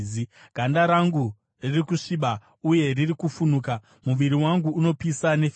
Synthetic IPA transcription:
i | ɡ̥ʱandaɾaŋɡu | ririkuʂiɓa | uje̞ririkufunuːka | muʋiɾiwaŋɡuːno̞pisane̞f

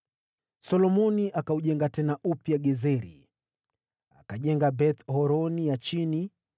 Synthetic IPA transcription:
sɔlɔmɔniʔakauʄɛŋɡatɛnaʔupjaɠɛzɛɾḭ | a̰kaʄɛŋɡabɛt̪hɔɾɔnijat͡ʃini

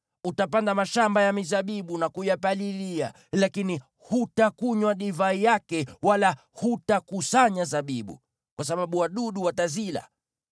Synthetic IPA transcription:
utapandamaʃambajamizaɓiɓunakujapalilia̰ | lakini | hutakuɲwaɗivaijakɛwala | hutakusaɲazaɓiɓṵ | kwasaɓaɓuwaɗuɗuwatazila̰

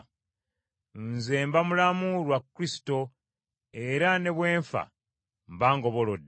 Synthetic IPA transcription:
nzeːmbamulamulwakːɾisi̥to̞ | eɾane̞βwe̞ːɱfa̰ | mbaːŋɡo̞βo̞lodː

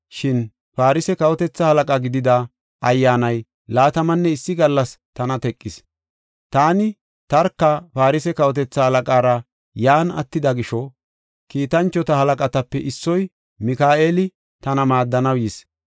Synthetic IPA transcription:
ʃɪn | faːɾɪsɛkɐwɔt̪ɛt͡sːɐhɐlɐkʼɐɡɪd̪ɪd̪ɐ | ʔɐjːaːnɐj | laːt̪ɐmɐnːɛɪsːɪɡɐlːɐst̪ɐnɐt̪ɛkʼːɪs | t̪aːnɪ | t̪ɐɾkːɐpaːɾɪsɛkɐwɔt̪ɛt͡sːɐhɐlɐkʼaːɾɐ | jaːnɐ̰t̪ːɪd̪ɐɡɪʃɔ | kiːt̪ɐnt͡ʃːɔt̪ɐhɐlɐkʼɐt̪ɐpːɛʔɪsːɔj | mɪkaːeːlɪ | t̪ɐnɐmaːd̪ːɐnɐwjɪs

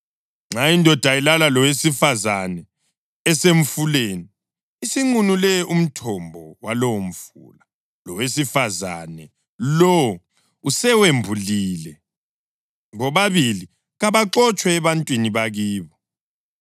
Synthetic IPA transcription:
ŋ͡ǁaindʱɔd̥ʱailalalɔwesifazanɛ | ɛseɱ̩fuleːniː | siŋ͡ǀunulɛʔum̩tʰɔmbʱɔwalɔwom̩fṵːla | lɔwesifaza̰nɛ | lɔw | usɛwembʱuliːlɛ | ŋɔβaβili | ɣaβaǁɔt͡ʃʼwɛːβantʼwiniβaɣiːβɔ

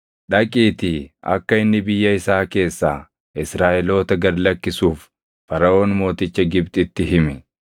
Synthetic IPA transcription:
ᶑɐkʼiːt̪ɪɐ̰kːɐɪnːɪbɪjːɐɪsaːke̞ːsːa̰ː | ɪsɾaːʔɛlo̞ːt̪ɐɡɐɾlɐkːɪsuːf | fɐɾɐo̞ːnmo̞ːt̪ɪt͡ʃːɐɡɪbt̪ʼɪt̪ːɪɦɪmɛ

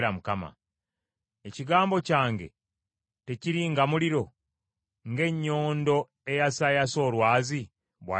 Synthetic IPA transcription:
ɾamukama̰ | eciɡaːmbo̞caːŋɡe̞̰ | te̞ciɾiŋɡamuliɾo̞ | ŋɡe̞ɲːo̞ːndo̞ | e̞jasajaso̞ːlwaːzi | βwa̰

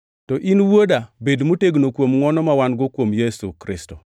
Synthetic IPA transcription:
tɔʔinwodabedmoteɡnokwomŋɔnɔmawanɡɔkwomjesukɾɪsto

